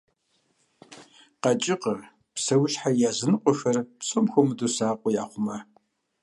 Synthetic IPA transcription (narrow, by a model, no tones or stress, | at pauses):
qɐt͡ʃʼɪqə | psɐwʊʃħajaːzɨnɨqʷʼɔxɐrpsomxʷɔmɨdusaːqʷʼɔja̰ːχʷʊmɐ